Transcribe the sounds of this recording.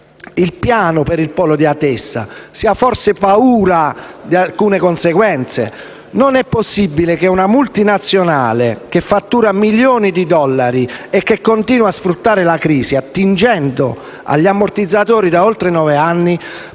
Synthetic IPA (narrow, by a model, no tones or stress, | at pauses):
ilpjaːnopeɾilpɔːlod̪iat̪ːɛsːa̰siːaforsepauːɾad̪ialkuːnekonseɡwɛnt̪sḛ | nonɛpːosːibːilekeunamult̪inat̪sːjonaːlek̟efːat̪ːuːɾamiljoːnid̪id̪ɔlːaɾiekːekːont̪iːnwaːsfɾut̪ːaːɾelakɾiːsiat̪ːind͡ʒɛnd̪o̰ | a̰ʎːamːort̪id̪zːat̪oːɾid̪aolt̪ɾenɔːveanːi